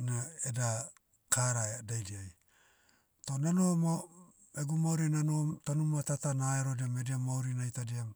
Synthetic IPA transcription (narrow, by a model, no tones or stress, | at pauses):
naeda | kʰaɾadajdiaj | tonanomo | eɡumawɾinanomtanumatatanaeɾodiamediamawɾinajtadiam